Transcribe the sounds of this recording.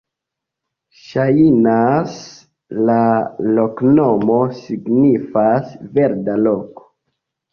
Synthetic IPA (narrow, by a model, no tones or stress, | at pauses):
ʃajinas | lalo̞kno̞mo̞siɡnifasve̞ɾdalo̞ko̥